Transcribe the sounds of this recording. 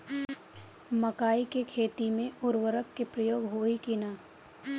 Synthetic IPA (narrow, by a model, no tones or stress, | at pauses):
mɐkaːikekʰeːt̪imẽʊɾʋəɾəkːepɾəjoːɡɦoːikɪnaː